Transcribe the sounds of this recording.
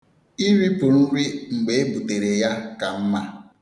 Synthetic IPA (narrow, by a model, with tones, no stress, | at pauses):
i˦ɾi˦po˨n̩˦ɾi˦ŋ͡m̩˨ɡ͡be˨e˦bu˨te˨ɾe˨ja˦ka˨m̩˦ma˦